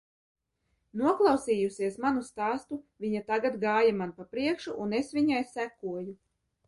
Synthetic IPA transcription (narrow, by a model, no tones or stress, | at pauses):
nuɔklˠɑwsiːjusʲiɛsmanust̪aːst̪uvʲiɲat̪aɡat̪ɡɑːjamanpapɾiɛkʃuʔunesvʲiɲajsækuɔju